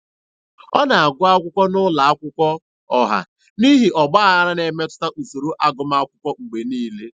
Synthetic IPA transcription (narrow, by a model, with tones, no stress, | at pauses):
ɔ˦na˨a˨ɡʷʊ˦a˦kʷʊ˦kʷɔ˦nʊ˦la˨a˦kʷʊ˦kʷɔ˦ | ɔ˨ɦa̰˨ | ni˦ɦi˨ʔɔ˨ɡ͡ba˦a˦ɾa˦ne˨me˦tʊ̥˦ta˦ʔu˨so˨ɾo˦ʔa˦ɡʊ˦ma˦a˦kʷʊ˦kʷɔ˦ŋ͡m̩˨ɡ͡be˨niː˦le˦